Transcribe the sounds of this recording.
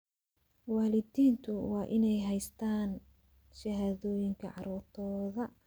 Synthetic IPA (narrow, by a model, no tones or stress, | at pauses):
wɑːlɪdiːnt̪ʰʊwɑːʔɪnɛjɦɛjst̪ʰaːn | ʃɐɦaːðɔːjɪŋkʰɐʕɑ̰ɾuːrt̪ʰɔːðɐ